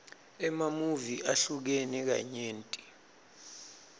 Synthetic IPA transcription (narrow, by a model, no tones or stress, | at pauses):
ɛmamuviʔaɬuk̬enik̬a̰ɲeːntʼi̥